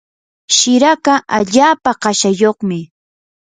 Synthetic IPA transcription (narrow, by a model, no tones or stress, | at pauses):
ʃɪɾakaʔaʎaːpaɢɑʃajoχmɪ